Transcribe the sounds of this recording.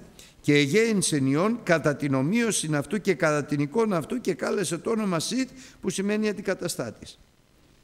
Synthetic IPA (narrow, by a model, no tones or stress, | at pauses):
ce̞ːʝe̞inse̞nio̞ŋkɐt̪ɐt̪ino̞mio̞sinɐft̪uce̞kɐt̪ɐt̪iniko̞nɐːft̪uce̞kɐle̞se̞t̪oo̞no̞mɐsit̪pusime̞niɐnd̪ikɐt̪ɐst̪ɐt̪i̥s